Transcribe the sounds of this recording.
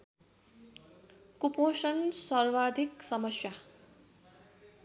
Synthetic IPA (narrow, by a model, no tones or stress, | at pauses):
kuposʌnsʌrwad̪ʱiksʌmʌsja